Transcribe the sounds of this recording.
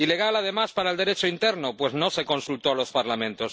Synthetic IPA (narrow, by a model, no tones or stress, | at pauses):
ile̞ɣ̞alað̞e̞maspaɾaeld̪eɾet͡ʃoint̪eɾnopwe̞zno̞se̞kõ̞nsult̪oalo̞spaɾlamẽnt̪os